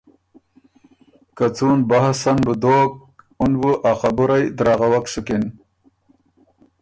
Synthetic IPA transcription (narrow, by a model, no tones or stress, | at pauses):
kat͡suːnbahasanbud̪oːk̚ | unbuʔaxabuɾajd̪ɾaːɣawaksukin